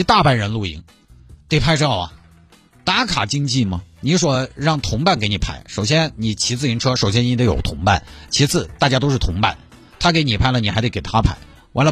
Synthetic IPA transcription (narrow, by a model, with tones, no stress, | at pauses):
i˧˥t̪a˥˩pa˥˩nɻə˧˥nlu˥˩ḭ˧˥ŋ | t̪e˥˩ɪpʰa˥˧ɪʈ͡ʂ̩ʰ˥ɑ˨˩ɐ̰˩ | t̪a˧˥kʰa˨˩t͡ɕi˥ŋt͡ɕi˥˩mɐ˩ni˧˥swɔ˨˩ɻɑ˥˩ŋt̪ʰʊ˧˥ŋpa˥˩nke˧˥ɪni˨˩pʰa˥˩ɪʂo˨˩ʊɕ̬jɛ˥nni˨˩t͡ɕʰi˧˥t͡sʰɹ̩˥˩i˧˥ŋʈ͡ʂʰɤ˥ʂo˨˩ʊɕ̬jɛ˥ni˥nd̪ə˧˥jo˨˩ʊt̪ʰʊ˧˥ŋpa̰˥˩nt͡ɕʰi˧˥t͡sʰɹ̩˥˩t̪a˥˩t͡ɕja˥t̪o˥ʊʂɻ̩˥˩t̪ʰʊ˧˥ŋpa̰˥˩n | t̪ʰa˥ke˧˥ɪni˨˩pʰa˥˩ɪlə˩ni˨xa˧˥t̪e˥˧˩kɪt̪ʰa˥pʰa˥˩ɪ | wa˧˥nlə˧